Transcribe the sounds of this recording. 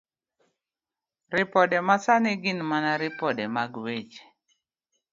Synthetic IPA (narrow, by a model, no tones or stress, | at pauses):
ɾɪpɔdɛmasanɪɡɪnmanaɾɪpɔdɛmaɡwet͡ʃ